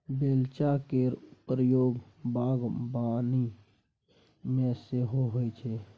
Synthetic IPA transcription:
beːlt͡ʃakepɾəjoːɡ | baːɡbaːni | mẽseɦoɦoːit͡ʃʰeː

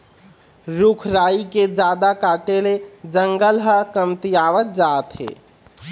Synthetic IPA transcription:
ɾukʰɾaiked͡ʒad̪akaʈeled͡ʒəŋɡəlɦəkəmt̪ijaʋət̪̚d͡ʒat̪ɦḛ

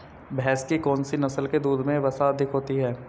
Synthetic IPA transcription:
bʱɛːskikɔːnsinɐsəlked̪uːd̪mẽʋɐsaɐd̪ʱɪkɦoːt̪iɦɛː

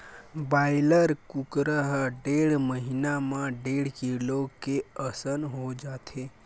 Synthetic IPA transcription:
baːɪləɾkukɾəɦɖeɽməɦinamãɖeɽ̤kilokeəsənɦod͡ʒaːt̪ʰe

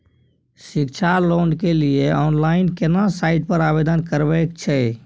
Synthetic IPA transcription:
sikt͡ʃʰalonɖkelieɔːnlaɪnkenasaɪʈ̚pəɾabed̪ənkəɾbɛkt͡ʃʰɛ

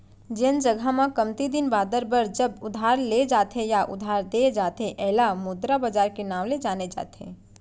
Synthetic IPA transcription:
d͡ʒɪnd͡ʒəɡʱamãkəmt̪id̪ɪnbaːd̪əɾbəɾd͡ʒəbʊd̪ʱaːɾled͡ʒaːt̪ɦejaʔʊ̰d̪ʱaːɾd̪ed͡ʒaːt̪eʔɛɦlamʊd̪ɾabaːd͡ʒaːɾkenaːʋled͡ʒaːned͡ʒa̰ːt̪ʰḛ̃ː

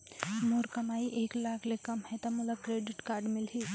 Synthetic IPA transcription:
moːɾkɐmaːiʔeːklaːkʰlekɐmɦɛt̪ɔmʊləb̚kɾeːɖɪʈkaːɾɖmɪlɦi

